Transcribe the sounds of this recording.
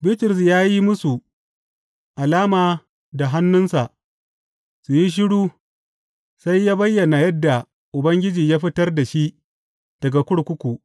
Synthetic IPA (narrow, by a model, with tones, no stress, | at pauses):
bɪ˦tɪ˨ɾʊ˨s̬jaː˦ji˦mʊ˦su˨ | ʔa˨laː˦maː˨ | da˨ɦa˦nːʊ˦nsa˨ʔ | su˨ji˦ʃ̬ɪ˦ɽuː˦ | sa˦jːaː˦bɐ˦jːɐ˨na˨jɐ˦dːa˨ | ʔʊ˨bɐ˦ŋɡʲɪ˦d͡ʒiː˨jaː˦ɸɪ˦tɐ˦rda˨ʃi˦ʔ | d̥ɐ˨ɡa˨kʷʊ˦ɽkʷʊ˦kʷu˨ʔ